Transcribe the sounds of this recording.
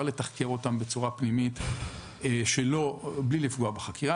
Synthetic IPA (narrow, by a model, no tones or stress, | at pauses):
le̞taχke̞ʁo̞tambe̞t͡suʁapnimit̪ː | ʃelo̞blilifɡuabaχakiʁa